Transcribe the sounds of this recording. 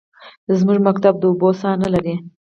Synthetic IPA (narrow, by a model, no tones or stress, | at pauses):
d̪əzmuʒmak̚t̪ab̚d̪əʊbosɑnalaɾi